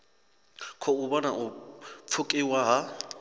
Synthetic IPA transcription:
kʰɔubɔnaʔʊp̪fʰʊkʼɪwaɦa

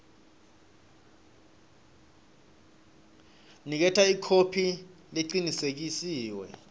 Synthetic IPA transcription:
nik̬ɛtʰaikʰopʰi | leǀinisek̬isiːwɛ̰

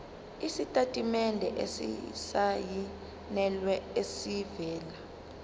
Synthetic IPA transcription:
isitʼatʼimɛndʱɛ̰ʔesḭsaji | nɛlwɛesivɛːla

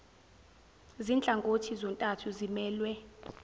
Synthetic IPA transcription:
zint͡ɬʼaŋɡʱotʰizɔntʼatʰuzimɛːlwɛ

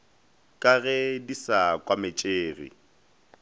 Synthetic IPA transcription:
kʼaɣɛdisakʼwamɪt͡ʃʼeːɣḭ

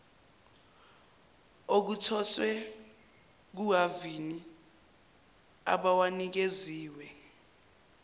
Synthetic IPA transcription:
ok̬utʰɔswɛ | k̬uɦavini | a̰ɓawanik̬eziːwɛ

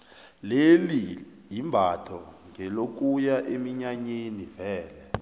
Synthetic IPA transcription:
leli | jimbʱatʰɔŋʱɛlok̬ujaʔemiɲaɲenivɛːlɛ

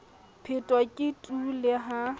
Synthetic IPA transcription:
pʰɪtʼwakʼɪtʼulɪɦa

